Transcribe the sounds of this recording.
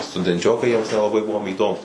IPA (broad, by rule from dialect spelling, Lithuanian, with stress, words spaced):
stʊdʲɛnʲˈt͡ʃʲoːkɐɪ ˈjiɛms nʲɛlˠɐˈbɐɪ ˈbʊʋoːm iːˈdoːmuːs